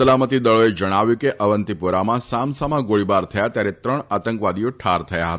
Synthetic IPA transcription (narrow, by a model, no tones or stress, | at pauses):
əlamət̪id̪əɭoed͡ʒəɽ̃aʋjũkeʔəʋənt̪ipuɾamãsamsamãɡoɭibaɾt̪ʰəjat̪jaɾet̪ɾəɳat̪əŋkʋad̪ijoʈʰaɾt̪ʰəjaɦət̪a